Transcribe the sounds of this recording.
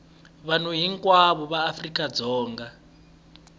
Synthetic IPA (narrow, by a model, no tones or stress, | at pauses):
βan̤uɦiŋkʼwaβɔβaːfrikʼad͡zɔːŋɡa